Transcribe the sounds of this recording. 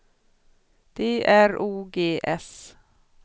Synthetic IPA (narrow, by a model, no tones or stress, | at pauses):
d̪̥eːʔæɾuːɡeːʔɛs